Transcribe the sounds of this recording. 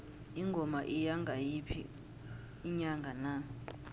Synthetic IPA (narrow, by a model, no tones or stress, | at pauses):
iŋɡʱɔmaʔijaŋɡʱajipʰḭː | ɲaŋɡʱana